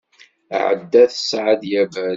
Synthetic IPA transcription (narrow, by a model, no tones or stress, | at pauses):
ʕə̰d̪ːæθə̥sʕəd̪jævæ